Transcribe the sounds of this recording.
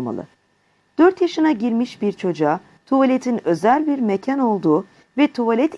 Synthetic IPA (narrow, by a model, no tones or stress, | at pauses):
ma̰lˠɯ̰ | d̪̥øɾt̪jaʃɯnaɟiɾmiʃbiɾt͡ʃʰo̞d͡ʒaː | t̪ʰuvalʲet̪ʰinø̞zælʲbiɾmecʰano̞lˠd̪uː | vɛt̪ʰuvalʲɛt̪